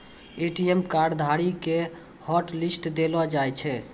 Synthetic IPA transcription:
eʈijemkaɾɖd̪ʱaɽike | hɔʈlisʈd̪elɔd͡ʒajt͡ʃʰɛ

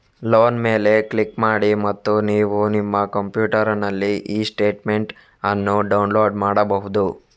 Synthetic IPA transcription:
loːnme̞ːle̞klikmaːɽimɐt̪ːuniːʋunimːɐkɐmpjuːʈɐɾɐnɐlːiʔiːsʈe̞ːʈme̞ɳʈ | ɐnːuɖɐwunloːɖmaːɽɐbɐɦud̪u

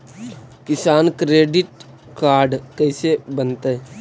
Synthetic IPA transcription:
kɪsaːnkɾeːɖɪʈ̚ | kaːɾɖkəɪsebənt̪e

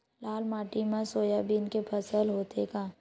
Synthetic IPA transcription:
laːlmaːʈimãsoːjabʱiːnkepʰəsəlɦoːt̪ekaː

